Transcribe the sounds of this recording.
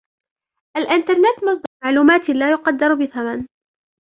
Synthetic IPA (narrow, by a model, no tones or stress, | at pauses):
ʔalʔɪnt̪ɑɾˤnɪt̪ːmɑsˤd̪ɑɾmaʕluːmaːt̪laːjʊqɑd̪ːɑɾˤbɪθaman